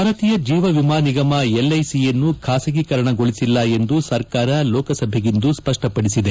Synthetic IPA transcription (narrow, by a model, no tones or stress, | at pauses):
aːɾɐt̪ijɐd͡ʒiːʋɐʋimaːniɡɐmɐelːɐjsijenːukʰaːsɐɡikɐɾɐɳɐɡo̞ɭisilːɐe̞nd̪usɐɾkaːɾɐlɔːkɐsɐbʱeɡind̪uspɐʂʈɐpɐɽisid̪e